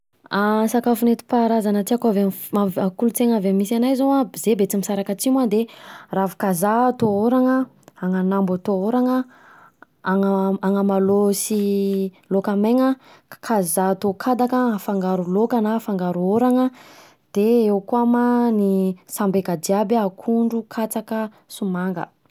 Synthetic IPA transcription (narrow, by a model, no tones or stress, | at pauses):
asakafunet̪i̥paɾazanətiakavemaakulut͡seŋavammisanajzoazebet͡simisaɾakat͡simad̪eravu̥kazat̪ooɾaŋə | aŋanambat̪ooɾaŋə | aŋəaŋəmalosi | lokameŋə | kʰazaːt̪okʰad̪akəafaŋɡaɾulokanafaŋɡaɾuoɾaŋə | d̪̥eewkuamanisambeɡad̪iabakʰuɳɖ͡ʐukʰat͡sakə | sumaŋɡə̰